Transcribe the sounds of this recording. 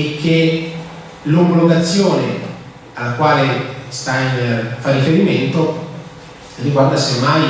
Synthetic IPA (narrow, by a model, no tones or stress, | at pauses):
ek̟ːe | lomboloɡ̪at̪sːjoːne | alːakwaːlest̪ainfarːifeɾiment̪o | rːiɡward̪asemːaj